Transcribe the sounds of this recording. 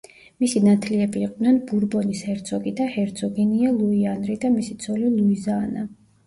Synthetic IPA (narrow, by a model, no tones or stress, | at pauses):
misinat̪ʰliɛbiːqʼvd̪nɛnbuɾbɔnishɛɾt̪sʰɔɡid̪ahɛɾt̪sʰɔɡinialˠuianɾid̪amisit̪sʰɔlilˠuizaːna